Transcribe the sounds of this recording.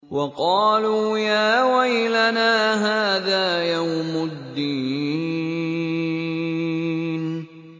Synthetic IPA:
wɑqɑːluːjaːwajlanaːɦaːðaːjawmad̪ːiː | n

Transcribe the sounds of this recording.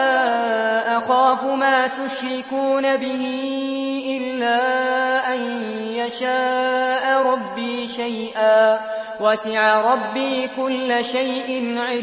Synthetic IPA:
aːʔaxaːfʊmaːt̪ʊʃɾɪkuːnabɪɦi | ʔɪlːaːʔan | jaʃaːʔɾˤɑbːiːʃajʔaː | wasɪʕaɾˤɑbːiːkʊlːʃajʔɪnʕɪ

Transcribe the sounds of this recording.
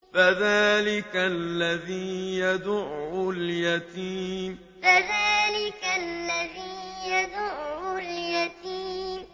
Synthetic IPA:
faðaːlɪkallːaðiːjad̪ʊʕʊljat̪iːm | faðaːlɪkaːaðiːjad̪ʊʕʊljat̪iːm

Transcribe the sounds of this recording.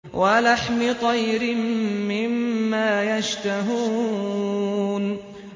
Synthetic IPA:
walaħmɪt̪ˤɑjɾɪmːɪmːaːjaʃt̪aɦuː | n

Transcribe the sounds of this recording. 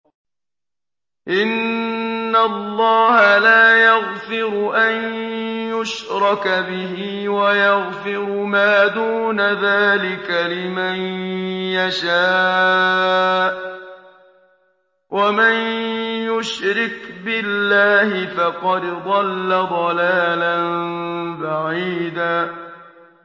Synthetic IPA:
ʔɪnː | alːɑːhalaːjaɣfɪɾʊʔanjʊʃɾˤɑkbɪɦiːwajɑɣfɪɾʊmaːd̪uːnaðaːlɪkalɪmanjaʃaː | wʔamanjʊʃɾɪkbɪlːaːhɪfɑqɑd̪d̪ˤɑlːad̪ˤɑlaːlanbaʕiːd̪aː

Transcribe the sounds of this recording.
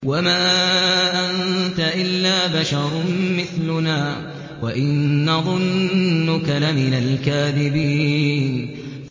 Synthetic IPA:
wamaːʔant̪aʔɪlːaːbaʃɑɾˤmɪθlʊnaː | waʔɪnːɑðˤʊnːʊkalamɪnalkaːðɪbiːn

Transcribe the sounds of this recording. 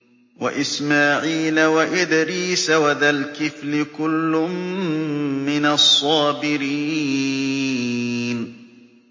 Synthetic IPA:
wa̰ʔɪsmaːʕiːlawaʔɪd̪ɾiːsawaðalkɪflɪkʊlːʊmː | ɪnasˤːɑːbɪɾiː | n

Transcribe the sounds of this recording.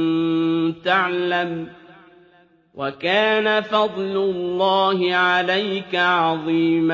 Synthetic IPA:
t̪aʕlam | wʔakaːnafɑd̪ˤlʊlːɑːɦɪʕalajkaʕɑðˤiːm

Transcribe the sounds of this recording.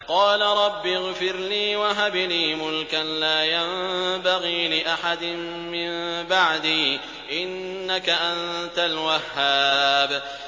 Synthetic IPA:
qɑːlaɾˤɑbːiɣfɪɾliːwaɦabliːmʊlkanlaːjambaɣiːlɪʔaħad̪ɪm | mɪmbaʕd̪iː | ʔɪnːakaʔannt̪alwahːaːb

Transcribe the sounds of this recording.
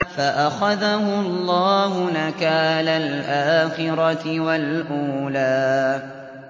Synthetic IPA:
faʔaxaðahʊɑlˤːɑːɦʊnakaːlalʔaːxɪɾˤɑt̪ɪwalʔuːlaː

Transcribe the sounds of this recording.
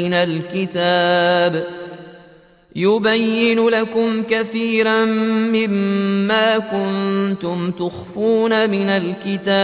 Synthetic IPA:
ɪnalkɪt̪aːb | jʊbajːɪnʊlakʊmkaθiːɾanːɪmːaːkʊnt̪ʊmt̪ʊxfuːnamɪnalkɪt̪aː

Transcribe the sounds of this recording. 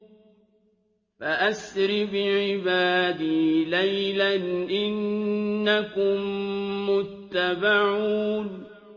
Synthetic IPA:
faʔasɾɪfɪʕɪbaːd̪ɪlajlanʔɪnːakʊmːʊt̪ːabaʕuːn

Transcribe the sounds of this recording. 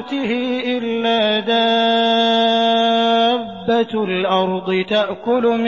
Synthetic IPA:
t̪ɪhɪʔɪlːaːd̪a | bːalʔɑɾˤd̪ˤɨt̪aʔkʊlʊm

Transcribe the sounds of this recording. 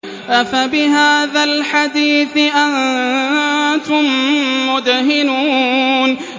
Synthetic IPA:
ʔafabɪɦaːðalħad̪iːθɪʔan | t̪ʊmːʊd̪hɪnuːn

